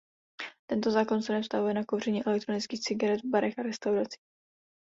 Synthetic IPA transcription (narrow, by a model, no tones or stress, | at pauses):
t̪ɛnt̪ozaːko̞nsɛnɛfst̪avujɛnakowr̝ɛɲiːʔɛlɛk̚t̪ɾo̞nɪt͡skiːxt͡sɪɡaɾɛd̪vbaɾɛxaɾɛst̪awɾat͡si̥ː